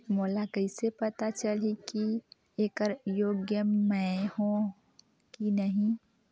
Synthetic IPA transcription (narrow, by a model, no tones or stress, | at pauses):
moːlakɐɪsepɐt̪at͡ʃəliki | eːkəɾjoːɡjəmɛ̃hõ | kinəɦĩ